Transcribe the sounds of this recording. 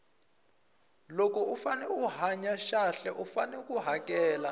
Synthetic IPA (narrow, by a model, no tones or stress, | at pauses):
lokɔufanɛuɦaɲaʃaɬɛʔufanɛuk̬ʼuɦak̬ʼɛːla